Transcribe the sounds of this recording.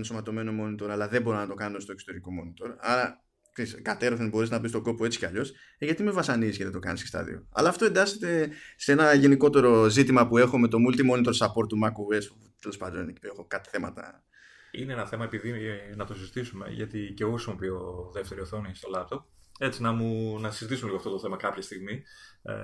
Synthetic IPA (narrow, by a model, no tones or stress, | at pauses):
nso̞mɐt̪o̞me̞nomo̞nit̪o̞ɾɐlɐðe̞bo̞ɾonɐt̪o̞kɐnost̪o̞ekso̥t̪eɾiko̞mo̞nit̪o̞ɾɐ̰ɾɐ | ksiskɐt̪e̞ɾoθebo̞ɾiznɐpist̪o̞ɡo̞poe̞t͡si̥ceɐʎo̞s | ʝɐt̪ime̞vɐsɐnizisceðet̪o̞kɐ̰nisest̪ɐ̰ðḭo̞̰ɐ̰lɐːft̪oe̞nd̪ɐset̪e̞seenɐʝe̞niko̞t̪e̞ɾo̞zit̪imɐpue̞xo̞me̞t̪o̞mult̪imo̞nit̪o̞ɾsɐpo̞ɾt̪ːumɐkuɣes | t̪e̞le̞spɐnd̪onneipexokɐt̪θe̞mɐ̰t̪ɐ̰ | ḭneenɐθe̞mɐe̞piðinɐt̪osizit̪isume̞̰ʝɐ̰t̪iceoosmopioðe̞ft̪e̞ɾioθonist̪o̞lɐp̚t̪o̞p̚ | e̞t͡sinɐmunɐsizit̪isumliɣoɐft̪o̞t̪oθe̞mɐkɐpçɐst̪iɣmi